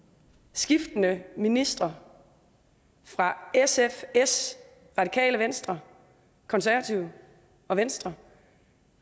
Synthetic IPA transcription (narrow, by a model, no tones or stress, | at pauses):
sɡ̥ifd̥nəminisd̥ʁɐ | fʁɑ̈esefes | ʁɑ̈d̥ikʰɛ̰ːləʋensd̥ʁɐ | kʰɒ̽nsæɐʋɐt͡sʰiʊ | ɒ̽ʋensd̥ʁɐ